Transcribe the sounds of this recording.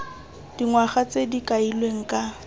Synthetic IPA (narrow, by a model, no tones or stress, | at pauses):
d̥iŋwaχat͡sedikʼailweŋ̩kʼa